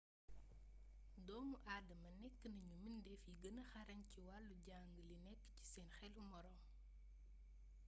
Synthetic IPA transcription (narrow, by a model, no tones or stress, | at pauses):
dɔːmuʔaːdɐmɐnɛkːənɐɲumindɛfjiɡənɐxɐɾɐɲciwɐlːuɟaŋɡəlinɛkːci̥sɛːnxɛlumɔɾɔm